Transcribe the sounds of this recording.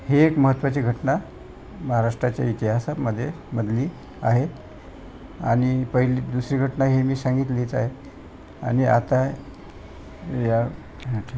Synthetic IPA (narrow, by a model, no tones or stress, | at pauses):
heːkməɦət̪ːʋat͡ɕiːɡʱəʈna | məɦaɾaʂʈɾat͡ɕja̰it̪iɦasaməd̪ʱːje | məd̪ʱliː | aɦe | aɽ̃ipəɦilid̪usɾiːɡʱəʈnaɦemiːsaŋɡit̪liːt͡saɦe | a̰ñia̰t̪a | ja